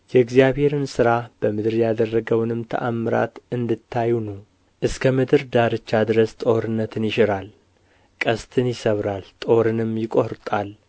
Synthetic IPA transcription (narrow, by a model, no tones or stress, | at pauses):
jɛɨɡzijaβhe̞ɾɨnsɨɾab̥əmɨd̪ɨɾjad̪ərːəɡəwnɨmt̪ʰə̰ʔamːɨɾa̰t̪ɨnd̪ɨt̪ʰːajːunəw | ʔɨskʰəmɨd̪ɨɾd̪aɾɨt͡ʃːad̪ɨɾəst̪ʼo̞ɾɨnːət̪ʰɨnjɪʃɪɾal | kʼəst̪ʰɨnjɪsəβɾalt̪ʼo̞ɾɨnɨmjɪkʼo̞ɾt̪ʼal